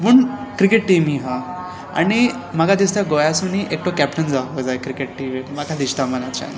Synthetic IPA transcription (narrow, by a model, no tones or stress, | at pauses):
muɳkɾikeʈʈimiɦã | a̰ɽi | maɡad̪ist̪aɡojasuniʔek̚ʈokɛpʈənd͡zaʋəd͡zajkɾikeʈ̚ʈiʋemakʰad̪ist̪amənat͡ɕa̰n